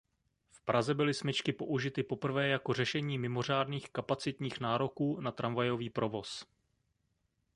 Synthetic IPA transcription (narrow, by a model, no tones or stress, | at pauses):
fpɾʔazɛbɪlɪsmɪt͡ʃkɪpo̞̰ʔuʒɪt̪ɪpo̞pr̩vɛːjako̞r̝ɛʃɛɲiːmɪmo̞r̝aːdniːxkapat͡sɪt̪ɲiːxnaːɾo̞kuːnat̪ɾʔamvajo̞viːpɾo̞vo̞s